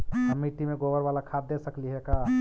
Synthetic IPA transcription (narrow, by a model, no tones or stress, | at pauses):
əmiʈimẽɡobəɾʋaːlakʰat̪ːesəkliɦɛkaː